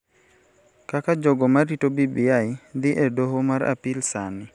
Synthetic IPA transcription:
kakad͡ʒɔɡɔmaɾitobibiaɪd̪ɪʔedoɦomaɾa̰pɪlsanɪ

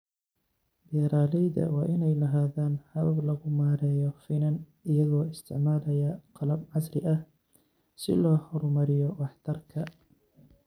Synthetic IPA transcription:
bɛɾaːlɛjðɐ̰wɑːʔɪnɛjlɐɦaːðaːnhɐβɐblɐɣʊmaːɾɛːjɔfɪnɐn | ɪjɐðɔːɪst̪ʰɪ̰ʕmaːlɐjɐqɑlɐbʕɑsrɪ̰ʔɐh | sɪ̰lɔːhɔrmɐɾɪjɔwɑħt̪ʰɐrkʰɐ

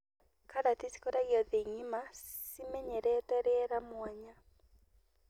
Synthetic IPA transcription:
kaɾatisi̥koɾaɡjɔðeŋimasimeɲeɾɛtɛɾɪɛɾamwɔɲa

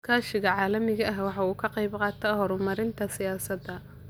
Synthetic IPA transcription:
kʰaːʃɪɣɐʕɑːlɐmɪɣɐʔɐɦwɑħɑuːkʰɐqɑjbqɑːt̪ʰɐhɔɾʊmɐɾɪnt̪ʰɐsɪjaːsɐd̪ɐ

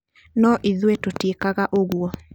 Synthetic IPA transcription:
nɔʔiðwetotekaɣaʔoɣwɔ

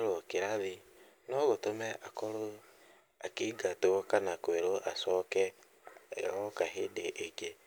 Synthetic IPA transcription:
ɾokeɾaβi | nɔɣotomɛʔakɔɾo | akiɡatokanakeɾoʔasɔkɛ̰ | ɣɔkaɦedeʔeke

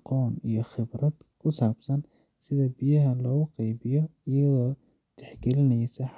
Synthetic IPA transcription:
qɔːnijɞχɪbrɐd̪̥kʰʊsaːbsɐn | sɪðɐbijɐɦɐlɔːɣʊqɑjbɪjɔ | ɪjɐðɔː | t̪ʰɛħɡɛlɪnɛjsɐħ

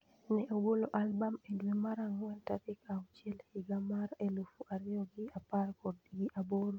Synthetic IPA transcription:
nɛʔoɡoloʔalbamɛdwemaɾaŋwɛntaɾikaɔt͡ʃɪɛlhiɡamaɾɛlofuʔaɾɪɔɡiaparkɔdɡiʔaboɾo

